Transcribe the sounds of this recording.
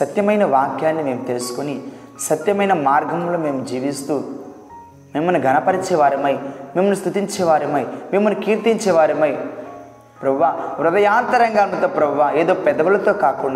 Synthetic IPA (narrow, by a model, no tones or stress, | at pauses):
sɐt̪jɐmɐjnɐʋaːkjaːnːime̞ːmut̪elsu̥koni | sɐt̪jɐmɐjnɐmaːɾɡʱɐmlo̞ːmeːmud͡ʒiːʋist̪uː | meːmuniɡʱɐnɐpɐɾit͡ʃɛːʋaːɾɐmɐjmeːmunust̪ut̪iɲt͡ʃɛːʋaːɾɐmɐjmeːmunukiːɾt̪iɲt͡ʃɛːʋaːɾɐmɐj | pɾɐbʋaːʋɾud̪ɐjaːnt̪ɐɾɐŋɡaːnɐt̪ɐpɾɐbʋaːe̞ːd̪o̞ːpɛd̪ɐʋulɐt̪o̞ːkaːkuɳɖa